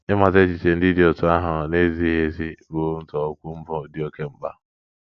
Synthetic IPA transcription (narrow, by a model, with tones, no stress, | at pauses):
ɪ˦ma˨te˦t͡ʃi˨t͡ʃe˨n̩˦di˦di˦o˨tʊ˨˦a˦ɦʊ˨ne˦zi˦ɦe˦zi˦ɾu˦n̩˦tɔ˨o˦kʷu˦m̩˦bɔ˦˨di˦o˦ke˦m̩˨ɡ͡ba̰˦